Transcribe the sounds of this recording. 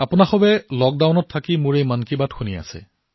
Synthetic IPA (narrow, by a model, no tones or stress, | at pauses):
apʊnaxɔbɛlɔk̚dawnɔtʰːakimʊɹejmankibatxunia̰sɛ̰